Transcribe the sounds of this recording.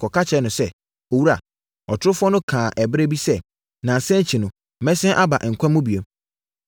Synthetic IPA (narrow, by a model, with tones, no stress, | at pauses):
kɔ˨kʰa˦t͡ɕʰɛ˨˦nʊ̃˨sɛ˦ | o˨wu˦ɾa̰˨ | ɔ˨tʰʊ˦ʊ˦fɔ˦nʊ̃˦kʰãː˨ʔɛ˨bɾe˦bi˦sɛ˦ | nã˨sɛ̃˦ɲ˦t͡ɕʰi˨nʊ̃˨ | mɛ̃˦sɛ̃˦ʔa˦ba̰˨ʔŋ̩˨kʷʰã˦mʊ̃˦bi˨e˨